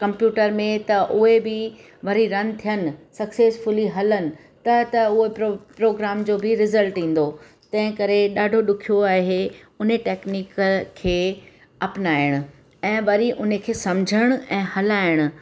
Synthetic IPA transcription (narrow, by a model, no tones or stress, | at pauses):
kɐ̃mpjuːʈəɾmẽt̪ɐʔʊɦebɪ | ʋɐɾiɾɐnt̪ʰijənɪ̆sɐkseːsfʊliɦɐlənɪ̆ | t̪ɐt̪ɐʊɦepɾopɾoːɡɾaːmd͡ʑoːbɪɾɪzəlʈĩːn̆d̪o | t̪ɐ̃ɦɪ̃kɐɾeɗaːɖʱoɗʊkʰijoaːɦe | ʊneʈeːkniːkkʰːeː | ɐpnaːɪɽ̃ʊ̆ | ɛ̃ːʋɐɾiʔʊnekʰeːsɐmd͡ʑʱəɽ̃ʊ̆ɛ̃ːhɐlaːɪɽ̃ʊ̆